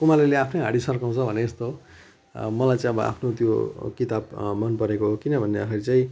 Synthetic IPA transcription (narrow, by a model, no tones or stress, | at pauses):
kumaleleapʰnʌjɦaɽisʌrkaw̃t͡sʰʌbʱʌneːst̪o | mʌlajt͡saĩʌbʌʔa̰pʰnot̪jo̰kit̪abmʌnpʌɾekoɦokinʌbʱʌnːeʌkʰʌɾit͡saĩ